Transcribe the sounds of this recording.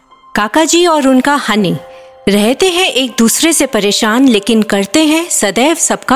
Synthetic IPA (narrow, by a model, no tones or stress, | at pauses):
kaːkad͡ʒiːɔːɾʊnkahɐni | ɾɛɦt̪eɦɛ̃ʔeːk̚d̪uːsɾesepɐɾeːʃaːnleːkɪnkɐɾt̪eɦɛ̃sɐd̪ɛːʋsɐb̚ka